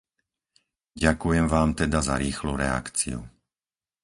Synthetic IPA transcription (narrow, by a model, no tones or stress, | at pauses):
ɟakujɛmʋaːmt̪ɛd̪aza̰ɾiːxluɾɛa̰kt͡sḭṵ